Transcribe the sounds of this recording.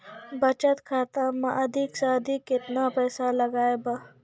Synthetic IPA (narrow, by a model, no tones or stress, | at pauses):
bɐt͡ʃət̪kʰaːt̪amɐ̃ʔɐd̪ʱɪksaːd̪ʱikːɪt̪napɛːsalɐɡaːeba